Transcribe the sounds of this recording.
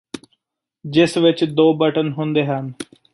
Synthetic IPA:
d͡ʒɪsʋɪt͡ʃd̪oːbəʈənɦʊnd̪eːɦən

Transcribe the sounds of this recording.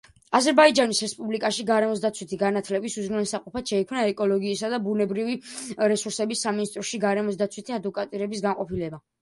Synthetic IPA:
azɛɾbaid͡ʒanisɾɛspʼublikʼaʃiɡaɾɛmɔs̬d̪at̪sʰwit̪ʰiɡanat̪ʰlɛbisuzɾunɛlsaqʼɔpʰat̪ʃɛikʰmnaɛkʼɔlɔɡiːsad̪abunɛbɾiviɾɛsuɾsɛbisːaminist̪ʼɾɔʃiɡaɾɛmɔs̬d̪at̪sʰwit̪ʰiad̪vɔkʼat̪ʼiɾɛbis̬ɡanqʼɔpilɛba

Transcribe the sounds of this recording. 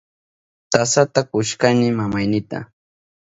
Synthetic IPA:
t̪asat̪akʊʃkanɪmamajnɪt̪a̰

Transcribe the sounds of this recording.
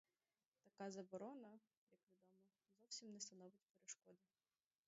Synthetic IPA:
t̪ɐkɑzɐbɔɾɔnɐ | jɐkʋʲid̪ɔmɔ | zɔwsʲimnɛst̪ɐnɔʋɪtʲpeɾeʃkɔd̪ɪ

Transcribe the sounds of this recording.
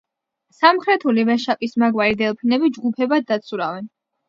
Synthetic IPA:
samχɾɛt̪ʰulivɛʃapʼismaɡwaɾid̪ɛlˠpʰinɛbid͡ʒɡupʰɛbad̪ːat̪sʰuɾavɛn

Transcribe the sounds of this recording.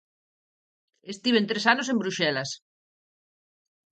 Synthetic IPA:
est̪iβẽnt̪ɾesanos̬ẽmbɾuʃɛlɐs

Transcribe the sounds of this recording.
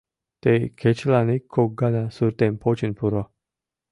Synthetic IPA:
t̪ekʰet͡ʃlanikʰːoɡanasuɾt̪enpʰot͡ʃinpuɾɔ

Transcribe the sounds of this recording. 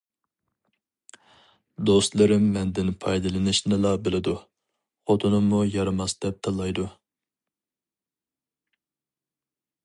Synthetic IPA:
d̪ost̪lˠɨɾɪmːɛnd̪ɪnpʰɑjd̪ɨlˠɨnɪʃnɨlˠɑbɪlɪd̪u | χot̪ʰnɨmːujɑɾɨmɑsd̪ɛp̚t̪ʰɑlˠːɑjd̪u

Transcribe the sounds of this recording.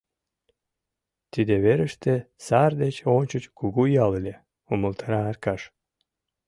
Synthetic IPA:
t̪id̪eβeɾəʃt̪esɑrd̪et͡ɕonʲt͡ɕət͡ɕkuɣujɑlelʲe | uməlt̪ʰɑɾɑːrkɑʃ

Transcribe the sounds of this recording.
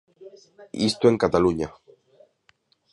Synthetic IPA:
ḭst̪oe̞ŋkat̪aluɲa

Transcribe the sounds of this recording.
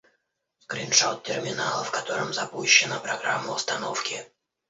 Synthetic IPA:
ɡ̥ɾʲinʂawt̪̚ʲtʲɪrmʲɪnalˠəfkɐt̪o̞ɾəmzɐpuɕːɪnəpɾɐɡɾa̰mːəʊst̪ɐnofkʲɪ

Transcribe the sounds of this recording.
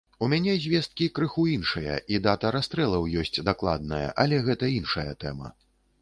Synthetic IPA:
umʲanʲɛzʲvʲɛst̪̚kʲikɾɨxuinʂɐjɐ̰ʔid̪at̪ɐɾast̪ɾɛlˠɐwjɔsʲt͡sʲd̪aklˠa̰d̪nɐjɐ̰ʔɐlʲɛɣɛt̪ɐinʂɐjɐ̰t̪ɛ̰mɐ̰

